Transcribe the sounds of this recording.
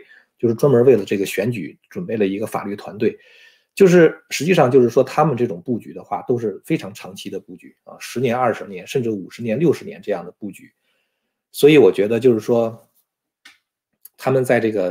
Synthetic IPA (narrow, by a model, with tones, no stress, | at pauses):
t͡ɕjo˥˧ʊʂɻ̩˥˩ʈ͡ʂwa˥nmə˞˧˥we˥˩ɪlə˩ʈ͡ʂɤ˥˩ɡə˩ɕɥɛ˧˥nt͡ɕy̰˨˥ʈ͡ʂwnpe˥˩ɪlə˩i˧˥ɡə˧fa̰˨˩ly˥˩t̪ʰwa˧˥nt̪we˥˩ɪ | t͡ɕjo˥˧ʊʂ̬ɻ̩˥˩ʂɻ̩˧˥t͡ɕi˥˧ʂɑ˥˧ŋt͡ɕjo˥˧ʊʂɻ̩˥˩ʂwɔ˥t̪ʰa˥mə˨nʈ͡ʂɤ˥˩ʈ͡ʂʊ˨˩ŋpu˥˩t͡ɕy̰˧˥d̪ə˧xwa˥˩t̪o˥ʊʂ̬ɻ̩˥˩fe˥ɪʈ͡ʂʰɑ˧˥ŋʈ͡ʂʰɑ˧˥ŋt͡ɕʰi˧˥d̪ə˧pu˥˩t͡ɕy̰˧˥ə̰˥˧ʂɻ̩˧˥njɛ˧˥nɐ˥˩ʂɻ̩˧˥njɛ˧˥nʂə˥˧nʈ͡ʂɻ̩˥˩u˨˩ʂɻ̩˧˥njɛ˧˥nljo˥ʊʂɻ̩˧˥njɛ̰˧˥nʈ͡ʂɤ˥˧jɑ˥˩ŋd̪ə˩pu˥˩t͡ɕy̰˧˩˥ | swɔ˧˥i˧˥wɔ˨˩t͡ɕɥɛ˧˥d̪ə˧t͡ɕjo˥˧ʊʂɻ̩˥˩ʂwɔ˥ | t̪ʰa˥mə˨nt͡sa˥˧ɪʈ͡ʂɤ˥˩ɡə˩